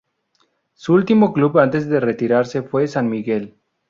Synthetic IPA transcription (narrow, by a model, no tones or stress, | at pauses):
suult̪imoklubant̪e̞zðeret̪iɾaɾse̞fwe̞sanmiɣe̞l